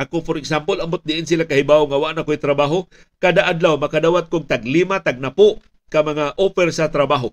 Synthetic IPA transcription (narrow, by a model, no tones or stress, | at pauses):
ʔakopoɾɪksampolɐmbʊt̪̚d̪ɪʔɪns̬ilakahɪbaoŋawaʔnakoʔijt̪ɾabaːɦo | kad̪aʔad̪lawmɐkad̪awat̪̚kʊɡ̚t̪aɡlimat̪aɡ̚napoʔ | kamɐŋaʔofɛɾsat̪ɾɐbaɦo